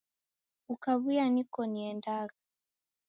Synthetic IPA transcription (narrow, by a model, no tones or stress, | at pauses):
ukaβujanikɔniɛndaɣḁ